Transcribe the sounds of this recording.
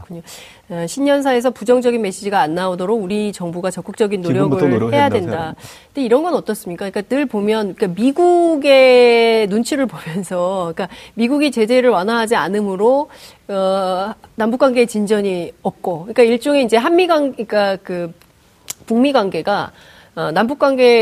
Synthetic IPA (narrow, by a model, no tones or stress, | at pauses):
kɯɲo | eɕʰinɲʌnsʰae̞s̬ʰʌpud͡ʑʌŋd͡ʑʌɡinme̞ɕ͈id͡ʑiɡaːnːaodʌɾoɡuɾit͡ɕʌŋbuɡat͡ɕʌk͈ɯk̚t͡ɕ͈ʌɡinːoɾjʌɡɯhe̞jadwe̞ndaɯɯnde̞iɾʌnɡʌnʌt͈ʌs͈ɯmɲik͈aɯɲik͈anɯɭbomjʌnk͈amiɡuɡe̞nunt͡ɕʰiɾɯɭpomjʌnsʰʌik͈amiɡuɡit͡ɕe̞d͡ʑe̞ɾɯɭwanaɦad͡ʑianɯmɯɾo | ʌnambuk͈waŋɡe̞ːt͡ɕind͡ʑʌɲiʌp̚k͈okɯɲik͈aiɭt͡ɕ͈oŋe̞ind͡ʑe̞ɦanmiɡaŋik͈akɯ | puŋmiɡwanɡe̞ɡa | ʌnambuk͈waŋɡe̞